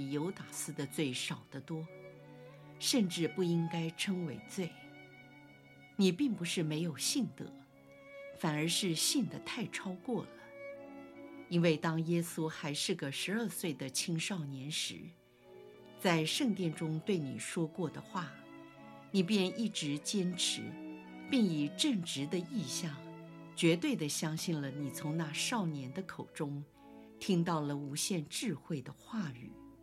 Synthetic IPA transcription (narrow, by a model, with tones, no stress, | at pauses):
i˨˩jo˧˥ʊt̪a˨˩sɹ̩˥d̪ə˨˧t͡swe˥˩ɪʂɑ˨˩ʊd̪̥ə˦t̪wɔ˥ | ʂə˥˧nʈ͡ʂɻ̩˥˧pu˥˩i˥ŋka˥ɪʈ͡ʂʰɤ˥ŋwe˧˥ɪt͡swe˥˩ɪ | ni˨˩pi˥˩ŋpu˧˥ʂɻ̩˥˩me˧˥ɪjo˨˩ʊɕi˥˩nd̪ə̰˩˦ | fa˨˩nə˞˧˥ʂɻ̩˥˧ɕi˥˩nd̪ə˩t̪ʰa˥˩ɪʈ͡ʂʰɑ˥ʊkwɔ˥˩lə˩ | i˥nwe˥˩ɪt̪ɑ˥ŋjɛ˥su˥xa˧˥ɪʂɻ̩˥˩ɡə˩ʂɻ̩˧˥ə˞˥˧swe˥˩ɪd̪ə˩t͡ɕʰi˥ŋʂɑ˥˩ʊnjɛ˧˥nʂɻ̩˧˥ | t͡sa˥˧ɪʂɤ˥˧ŋt̪jɛ˥˩nʈ͡ʂʊ˥ŋt̪we˥˩ɪnḭ˨˩ʂwɔ˥kwɔ˥˩d̪ə˩xwa˥˩ | ni˨˩pjɛ˥˧ni˥˩ʈ͡ʂɻ̩˧˥t͡ɕjɛ˥nʈ͡ʂʰɻ̩̰˧˥ | pi˥˩ŋi˨˩ʈ͡ʂɤ˥˩ŋʈ͡ʂɻ̩˧˥d̪ə˧i˥˧ɕjɑ˥˩ŋ | t͡ɕɥɛ˧˥t̪we˥˩ɪd̪ə˩ɕjɑ˥ŋɕi˥˩nlə˩ni˨˩t͡sʰʊ˧˥ŋna˥˧ʂɑ˥˩ʊnjɛ˧˥nd̪ə˧kʰo˨˩ʊʈ͡ʂʊ˥ŋ | t̪ʰi˥ŋt̪ɑ˥˩ʊlə˩u˧˥ɕjɛ˥˧nʈ͡ʂɻ̩˥˧xwe˥˩ɪd̪ə˩xwa˥˩y̰˨˩˦